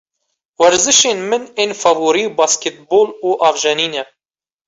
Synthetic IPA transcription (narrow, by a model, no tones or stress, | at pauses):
wɛɾzɨʃeːnmɨneːnfɑvuːɾiːbɑːsket̪̚boːluːʔɑːvʒɛniːnɛ